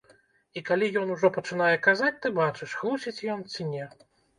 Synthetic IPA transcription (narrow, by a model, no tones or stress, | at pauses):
ikalʲijɔn̪uʐɔpɐt͡ʂɨn̪ajɛkazat͡sʲt̪ɨbat͡ʂɨʂxlˠusʲit͡sʲjɔnt͡sʲinʲɛ